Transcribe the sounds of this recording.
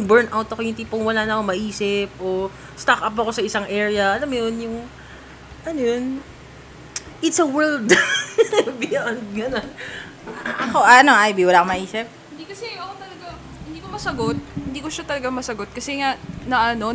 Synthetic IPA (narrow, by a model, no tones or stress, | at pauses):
ŋbɛɹnʔawt̪ɐko̞jʊnt̪iːpoŋwɐlaːnɐkomɐʔiːsɪp̚ʔo | st̪akʔɐpɐko̞sɐɪsaŋʔɛːɹɪɐʔɐlɐmjonjʊŋ | ʔɐnojon | ʔɪt̪sɐwɛld̪ | bɪʔɐnd̪̚ɡɐnon | ʔɐko̞ʔaɐno̞ʔajbiwɐlaːkomɐʔiːsɪp̚hɪnd̪iːkɐsɛjoʔɐkot̪ɐlɐɡa | ɪnd̪iːkomɐsɐɡot̪̚hɪnd̪iːkoʃat̪ɐlɐɡamɐsɐɡot̪̚kɐsɛŋaʔnɐʔɐno̞